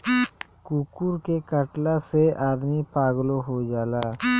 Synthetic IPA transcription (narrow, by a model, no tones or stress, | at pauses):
kukuɾkekəʈlaseʔaːd̪mipaːɡloɦod͡ʒaːlaː